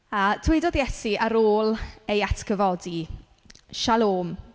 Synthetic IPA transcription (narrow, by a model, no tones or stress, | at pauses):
aːtʰweɨdɔdjɛsiʔəɾoːlˠejatʰkəvɔdi | ʃalˠoːm